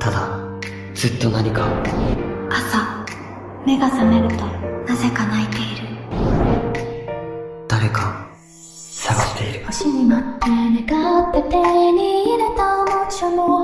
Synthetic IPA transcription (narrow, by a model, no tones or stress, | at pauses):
t̪ʰad̪a | z̥ɨt̪ːo̞naɲ̟ika | asa | me̞ɡasame̞ɾɯ̟t̪o̞naze̞kanait̪e̞iɾɯ̟ | d̪̥aɾeka | saɡaɕi̥t̪e̞iɾɯ̟ɕiɲimat̪ːeɾeɡat̪ːet̪eniiɾet̪amot͡ɕono